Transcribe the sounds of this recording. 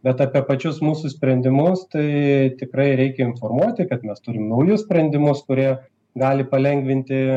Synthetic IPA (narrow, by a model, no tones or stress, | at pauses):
bʲɛt̪ɑːpʲiɛpɐt͡ʃʲʊsmuːsʊsʲpʲɾʲɛnʲd̪ʲɪmʊst̪ɐɪt̪ʲɪkɾɐɪɾʲɛɪkʲɛɪnformuɔt̪ʲɪkɐt̪mʲɛst̪ʊɾʲɪmnɐʊjʊssʲpʲɾʲɛnʲd̪ʲɪmʊskʊɾʲiɛ | ɡɑːlʲɪpɐlʲɛŋʲɡʋʲɪnʲt̪ʲɪ